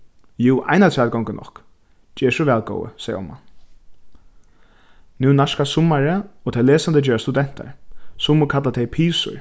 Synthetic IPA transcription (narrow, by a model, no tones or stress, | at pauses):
juːʔa̰jnat̪ʰaːlɡɔŋkənʔɔ̰hk | d͡ʒɛːʂʊʋɛːlɡo̰ːwə̰sɛːjəɔ̰mːa̰ | nʉːnaʂkasʊmaɾəɔːt̪ʰɛjleːsand̪əd͡ʒɛːɾast̪ud̪ɛn̥t̪a̰ɹsʊmːʊkʰat̪lat̪ʰɛɪjpʰiːsʊ̰ɹ